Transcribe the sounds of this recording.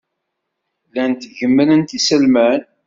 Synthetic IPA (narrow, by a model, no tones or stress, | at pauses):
lænt̪ʝəmːənənt̪isəlmæn